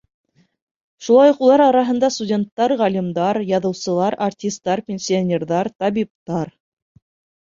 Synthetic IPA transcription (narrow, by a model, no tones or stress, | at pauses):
ʃulˠɑjuqulˠɑɾɑɾɑɦɤ̆nd̪ɑst̪udʲe̞nt̪ːɑɾʁælʲimd̪ɑɾjɑðɤ̆wsɤ̆lˠɑɾartʲist̪ːɑɾpʲenʲsʲɪonʲerðɑɾt̪ɑβip̚t̪ɑɾ